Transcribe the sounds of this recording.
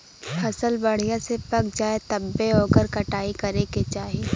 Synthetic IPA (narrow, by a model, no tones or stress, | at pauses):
hɐsəlbɐɽ̤ijãsepɐk̚d͡ʒaːet̪ɐbːeoːɡəɾkɐʈaːikɐɾeket͡ʃaːɦie